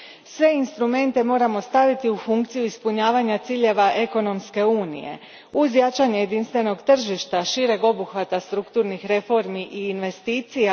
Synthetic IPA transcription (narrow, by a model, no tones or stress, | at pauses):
sʋe̞inst̪ɾume̞nt̪e̞mo̞ːɾamo̞st̪aʋit̪iufuŋkt̪sijuispuɲaːʋaɲat̪siːʎe̞ʋaʔe̞ko̞no̞mske̞uːnḭje̞̰ | uzjat͡ʃaɲeje̞d̪inst̪ʋe̞no̞ɡt̪r̩ʒiʃt̪aʃiɾe̞ɡo̞buxʋat̪ast̪ɾukt̪uːɾnixɾe̞fo̞ɾmiʔiːnʋe̞st̪iːt̪sija